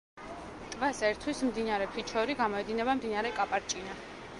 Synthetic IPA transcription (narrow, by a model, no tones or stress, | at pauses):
t̪ʼvasɛɾt̪ʰwismd̪inaɾɛpʰit͡ʃʰɛɾiɡamɔɛd̪inɛbamd̪inaɾɛkʼapʼaɾt͡ʃʼina